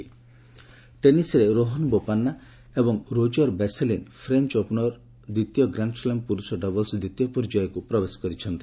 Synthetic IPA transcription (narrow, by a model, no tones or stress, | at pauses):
ʈenisɾeɾoɦɔnbopanːa | ebɔŋɾod͡ʒɔɾbeselinpʰɾent͡ʃopnɔɾ | d̪it̪jɔɡɾaɳɖfʰlempuɾusɔɖɔbɔlsd̪it̪ijɔpɔɾd͡ʒajɔkupɾɔbesɔ̥kɔɾit͡ʃʰɔnt̪i